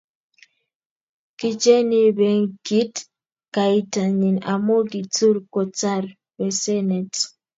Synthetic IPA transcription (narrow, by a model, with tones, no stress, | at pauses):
ki˨t͡ʃe˦ni˦bɛ˨ŋki˦t | ka˨i˦ta˨ɲi˨na̰˨mo˦ɡi˨t͡su˦ɾkɔ˨t͡sa˦ɾ | bɛ˨sɛ˦nɛ˨t